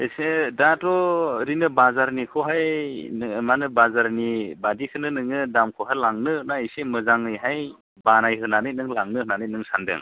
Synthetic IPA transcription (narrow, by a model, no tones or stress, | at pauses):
esedatɔɾinɯbazaɾnikʰɔɦaj | manɯbazaɾnibadikʰɯnɯnɯŋɯdamkʰɔɦalaŋnɯnaisemɯzaŋɯjɦaj | banajɦɯnanɯjnɯŋlaŋnɯhɯnanɯjnɯŋsandɯ̰ŋ